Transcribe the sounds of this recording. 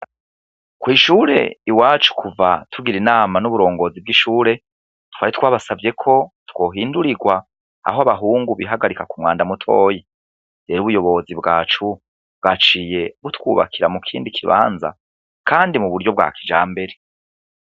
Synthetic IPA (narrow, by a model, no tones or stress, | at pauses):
kwiːʃuːɾe̞̰iwaːt͡ʃu̥kʰuvatʰuɡiɾinaːmanuβuɾo̞ːŋɡo̞ːzib̚ɡiʃuːɾe̞ | twaːɾit̪waːβasavje̞kʰo̞two̞ːɦiːnduɾiɡwa | a̰hoaβaɦuːŋɡuβiɦaɡaɾikakumŋwaːndamutʰo̞ːji | deɾuβujo̞βo̞zibɡaːt͡ʃu | b̚ɡat͡ʃije̞βutwṵːβa̰kʰiɾamukʰiːndikʰiβa̰ːnza̰ | kʰaːndimuβuɾɟjo̞b̚ɡa̰ːkʰid͡ʒaːmbe̞ɾe̞